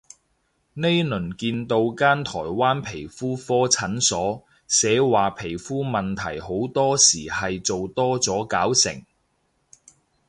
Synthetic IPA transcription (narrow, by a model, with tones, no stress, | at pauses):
ne˥jlɵ˨˩nkiː˧nt̪o˧wkaː˥nt̪ʰɔː˨˩jwaː˥npʰe˨˩jfuː˥fɔː˥t͡sʰɐ˨˥nsɔː˨˥ | sɛː˨˥waː˨pʰe˨˩jfuː˥mɐ˨nt̪ʰɐ˨˩jho˨˥wt̪ɔː˥siː˨˩hɐ˨jt͡so˨wt̪ɔː˥t͡sɔː˨˥kaː˨˥wsɪ̰˨˩ŋ